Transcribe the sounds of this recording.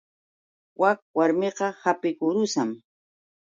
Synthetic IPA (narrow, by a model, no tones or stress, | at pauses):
wak̚waɾmeqɑhapɪkʊɾʊsam